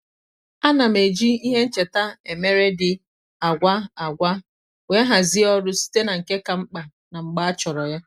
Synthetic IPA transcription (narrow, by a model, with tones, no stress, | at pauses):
a˦na˨m̩e˨d͡ʒi˦i˦ɦe˦n̩˦t͡ʃe˨ta˦e˨me˦ɾe˦dɪ˨ | a˨ɡʷa˦a˨ɡʷa˦ | we˦ɦa˨zɪ˦ɔ˦ɾʊ˦si̥˦te˦na˨ŋ̩˨ke˦ka˨ŋ͡m̩˦k͡pa˨ | na˨ŋ͡m̩˨ɡ͡ba˦a˦t͡ʃɔ˨ɾɔ˨ja˦